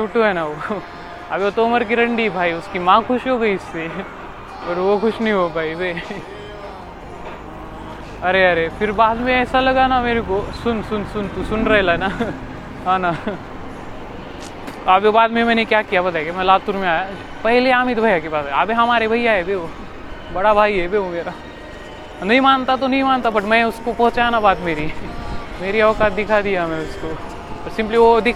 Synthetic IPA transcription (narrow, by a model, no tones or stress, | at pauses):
t͡ʃʰoʈoɦɛːnaʋo | a̰beot̪oːmɐɾk̬iɾɐ̃ɳɖibʱaːiʊskimãkʰʊʃɦoɡɐiʊsi | ɔɾʋokʰʊʃnəɦĩɦobʱaːibe | ɐɾeɐɾepʰɪɾbaːd̪mẽɛːsalɐɡanameːɾekosʊnsʊnsʊnt̪usʊnɾɐɦelana | ɦãːna | aːbebaːd̪mẽmɛ̃ːnekjaːkijabɐt̪aːeɡemɛ̃laːt̪uɾmẽaːja | pɛɦleaːmɪd̪bʱɐjakepaːsɛaːbeɦɐmaːɾebʱɐjaɦɛbeːo | bɐɽabʱaːiɦɛbeːomeːɾa | nɐɦĩmaːnt̪at̪onɐɦĩmaːnt̪abɐʈmɛ̃ʊskopɐ̃ɦʊt͡ʃajanabaːd̪meːɾi | meːɾiɐːkat̪̚d̪ɪkʰad̪ijamɛ̃ʊsko | ɾsɪ̃mpliʋod̪ɪ